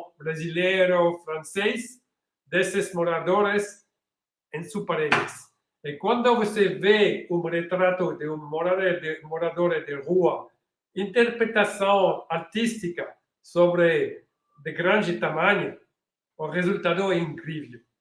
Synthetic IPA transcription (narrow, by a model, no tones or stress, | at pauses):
bɾazilɛɾofɾãnsɛjs | d̪esezmoɾad̪oɾes | ẽnsupaɾeles | ekwãnd̪ovoseveumret̪ɾat̪od̪eummoɾaed̪emoɾad̪oɾed̪eʁua | int̪eɾpɾet̪asõŋaɾt̪ist̪ika | soβɾe | d̪eɡɾãnd͡ʒet̪amaɲo | orezult̪ad̪oɛiŋkɾivlu